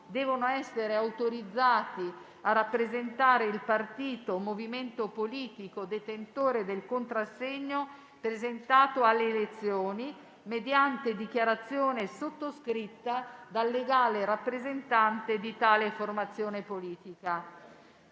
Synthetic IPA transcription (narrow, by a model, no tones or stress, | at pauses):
d̪ɛːvonoɛsːeɾeawt̪oɾid̪zːaːt̪i | arapːɾezent̪aːɾeilpart̪iːt̪omoviment̪opoliːt̪ikod̪et̪ent̪oːɾed̪elkont̪ɾasːeɲːo | pɾezent̪aːt̪oalːeːlet̪sːjoːni | med̪jant̪ed̪ik̟jaɾat̪sːjoːnesot̪ːoskɾit̪ːad̪alːeɡaːleɾapːɾezent̪ant̪ed̪it̪aːleformat̪sːjoːnepoliːt̪ika